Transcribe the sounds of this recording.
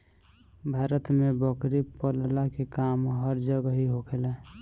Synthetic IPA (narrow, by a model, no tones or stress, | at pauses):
bʱaːɾət̪mebəkɾipəllakekamɦəɾd͡ʒəɡəɦiɦokʰelɛ